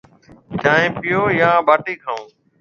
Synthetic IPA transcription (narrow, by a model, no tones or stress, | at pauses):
t͡ʃaːẽːpɪjoːjãːbaːʈiːkʰaːũː